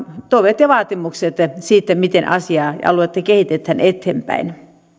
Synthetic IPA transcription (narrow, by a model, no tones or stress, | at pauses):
t̪oiʋet̪jɑʋɑːt̪imukset̪siːt̪ːæmit̪enʔɑsiɑːjɑ̰luet̪ːækehit̪et̪hænet̪hempæ̰in